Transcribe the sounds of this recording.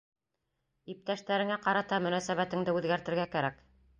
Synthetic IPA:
ip̚t̪æʃt̪æɾɘ̆ŋæqɑɾɑt̪ɑmɵ̆næsæβæt̪ɘ̆ŋd̪ɘʉðɡæɾt̪ɘ̆ɾɡækæɾæk

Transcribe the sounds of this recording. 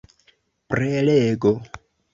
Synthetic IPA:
prɛlɛɡɔ

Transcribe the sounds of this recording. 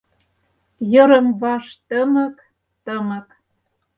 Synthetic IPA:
jə̆ɾə̆mβɑʃt̪əmə̆k | t̪ə̆mə̆k

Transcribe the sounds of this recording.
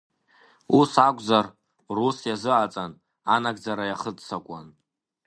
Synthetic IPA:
usakʷʼzar | rusjazɨʕat͡sʼan | anaɡd͡zaɾajaχədsakʷʼa̰n

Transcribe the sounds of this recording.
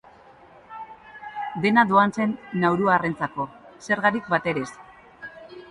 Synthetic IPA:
d̪e̞nad̪oanse̞nːawɾuaːrent͡sako̞se̞ɾɣaɾik̚bat̪e̞ɾe̞s

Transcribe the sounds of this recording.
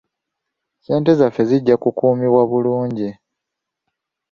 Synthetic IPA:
se̞ːnte̞zafːe̞ziɟːakukuːmiβwaβuluːɲɟi

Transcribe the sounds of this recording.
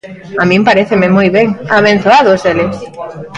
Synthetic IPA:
amĩmpaɾeθɪmɪmojβeŋaβẽn̟θoaðoselɪs

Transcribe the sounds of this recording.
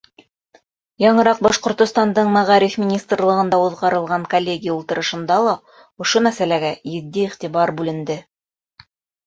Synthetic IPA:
jɑɴɤ̆ɾɑq̚bɑʃqŏɾt̪ŏst̪ɑnd̪ɤɴmæʁɑɾifmʲinʲist̪rlˠɤ̆ʁɤ̆nd̪ɑuðʁɑɾɤ̆lˠʁɑŋkolʲːeɡʲijaulˠt̪ɤ̆ɾɤ̆ʃɤ̆nd̪ɑlˠɑ | ŏʃomæsælæɡæjɘ̆ðːiiχt̪iβɑɾbʉlɘ̆nd̪ɘ

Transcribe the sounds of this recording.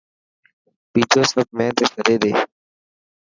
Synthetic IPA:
piːd͡ʒoːsəb̚ʱmɛ̃ːt̪eːsʰəɾeːd̪ḛː

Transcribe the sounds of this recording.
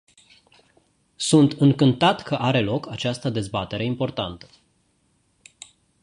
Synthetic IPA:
sunt̪ɨŋkɨnt̪at̪kʰəʔaɾe̞lo̞kat͡ʃast̪əd̪e̞zbat̪e̞ɾe̞impo̞rt̪ant̪ə̥

